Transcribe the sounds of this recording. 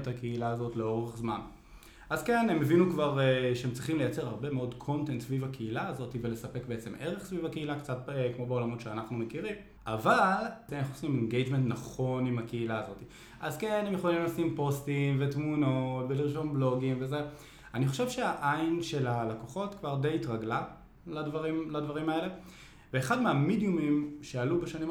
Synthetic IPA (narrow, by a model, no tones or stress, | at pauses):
thakeilaːzo̞tleo̞ʁeχzman | ʔazke̞nemevinukvaʁeʃeemt͡sʁiχimle̞jat͡se̞ʁhaʁbe̞meo̞dkʰo̞nte̞ntsvivakeilaːzo̞tivele̞sape̞kbeet͡seme̞ʁe̞χsvivakeilakt͡sat̚kmo̞beo̞lamo̞tʃeanaχnumekiʁim | avalanaχuosimenɡejd͡ʒmentnaχo̞nimakeilaːzo̞ti | ʔazkenemjeχolimlasimpo̞stimvetmuno̞tbeliʁʃo̞mblo̞ɡimveze̞ | aniχo̞ʃe̞vʃeaʔainʃe̞lalakoχo̞tkvaʁde̞jitʁaɡla | ladvaʁimladvaʁimae̞le̞ | veːχadmeamidjumimʃealubeʃanim